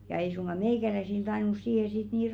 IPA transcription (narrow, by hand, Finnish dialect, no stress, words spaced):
jɑ ei suŋɡ̊ɑ meiˑkælæisil tɑinus siːhe sit niː